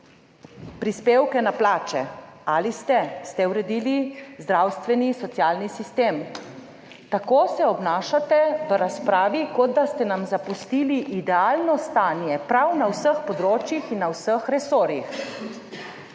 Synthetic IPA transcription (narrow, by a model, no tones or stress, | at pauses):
pɾispeːwkɛnaplaːt͡ʃɛ̰alist̪ɛst̪ɛwɾɛd̪iːlizd̪ɾawst̪ʋɛnisɔt̪sjaːlnisist̪eːm | t̪akoːsɛɔbnaːʃat̪ɛʋəɾaspɾaːʋikɔd̪̚d̪ast̪ɛnamzapust̪iliʔid̪ɛaːlnɔst̪aːnjɛpɾawnawsəxpɔd̪ɾoːt͡ʃjixinːawsəxɾɛsoːɾjix